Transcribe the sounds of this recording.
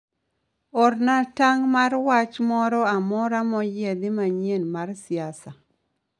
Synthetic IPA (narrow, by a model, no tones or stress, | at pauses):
ɔrnataŋmarwat͡ʃmɔɾɔamɔɾamɔjed̪ɪmaɲenmarsɪasa